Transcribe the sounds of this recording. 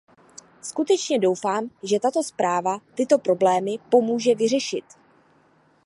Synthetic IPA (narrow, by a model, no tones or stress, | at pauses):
skut̪ɛt͡ʃɲɛdo̞wfaːmʒɛt̪at̪o̞spɾaːvat̪ɪt̪o̞pɾo̞blɛːmɪpo̞muːʒɛvɪr̝ɛʃɪt̪